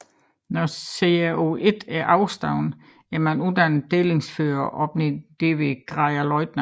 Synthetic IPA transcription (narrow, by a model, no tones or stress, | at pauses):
nɒseæo̝e̝d̥æɐʔɑ̈ʊsd̥ɑ̈ʊ̰n | æɐmænuðˠd̥ænd̥eːle̝ŋsføːɐʔɒ̽b̥ned̥e̝ʋe̝ɡ̥ʁɑɪɐlɒɪd̥nə